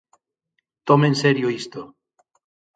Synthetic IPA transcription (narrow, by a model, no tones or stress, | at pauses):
t̪omenseɾjoist̪o